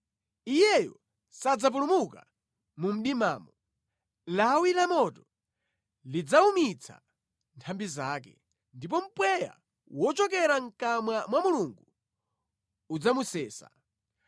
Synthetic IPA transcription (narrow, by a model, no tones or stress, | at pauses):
ijɛjɔ | sad͡zap̬ulumuka | mum̩ɗimaːmɔ | lawilamɔtɔ | lid͡zaumit͡sʰa̰ | ntʰambizaːkɛ̰ | ndipɔm̩pwɛja̰ | wɔt͡ʃɔkɛɾaŋ̩kamwamwamuluŋɡu | ud͡zamusɛːsa̰